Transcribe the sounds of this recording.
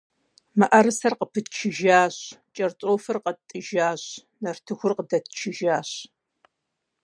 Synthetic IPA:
mɨʔɐɾɨsɐrqəpʰɨtt͡ʃʰɪʒaːɕt͡ʃʼɐrt͡ʃʼoːfɨrqətʼːɨʒaːɕ | nɐrtʰɨxʷʊrqədɐtt͡ʃʰɪʒaːɕ

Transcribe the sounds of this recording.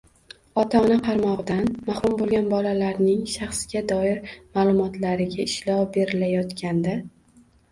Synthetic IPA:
ɒt̪ʰaɒnaqʰɑɾmɒʁɨd̪anmaχɾʊmbolˠɡʲanbɒlalaɾnɪŋʃɑχsɡʲad̪ɒɪɾmalˠʊmɒt̪laɾɪɡʲaɪʃlɒwbe̞ɾɪlajɒt̪kʲʰand̪a

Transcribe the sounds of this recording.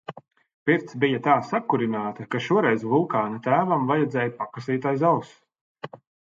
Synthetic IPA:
piɾt̪sbijat̪aːsakuɾinaːt̪ɐkaʃuɔɾɛjzvulˠkaːnat̪æːvamvajɛd̪zʲɛːjpakasiːt̪ajzalˠs

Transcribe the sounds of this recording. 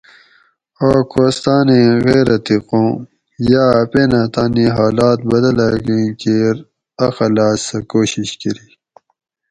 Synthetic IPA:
oːkoːst̪aːneɣeːɾɐt̪iqõː | jaːpenaːt̪aːniɦaːlaːt̪̚bɐd̪ɐlaɡĩkeɾ | ɐxɐlaːssɐkoːɕiɕkɐɾiː

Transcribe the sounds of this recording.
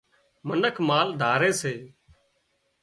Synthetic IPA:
mənəkʰmaːld̪ʱaːɾeːseː

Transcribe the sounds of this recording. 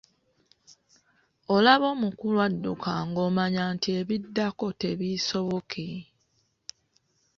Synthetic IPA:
olaβo̞ːmukulwadːukʰaŋɡo̞ːmaɲaːntie̞βidːako̞te̞βiso̞βokʰi

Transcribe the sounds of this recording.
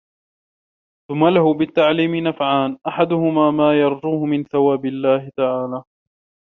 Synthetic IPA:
θʊmːalahʊbɪt̪ːaʕliːmɪnafʕaːnʔaħad̪ʊhʊmaːmaːjɑɾˤd͡ʒuːhʊmɪnθawaːbɪlːaːhɪt̪aʕaːlaː

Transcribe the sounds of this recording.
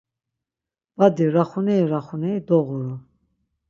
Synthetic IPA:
b̥ad̪iɾaχunɛiɾaχunɛjd̪ɔɣuɾu

